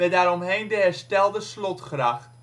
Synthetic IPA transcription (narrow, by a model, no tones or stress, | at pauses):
ɛdaːɾɔmɦejndəɦɛɹstɛlˠdəslɔtχraχ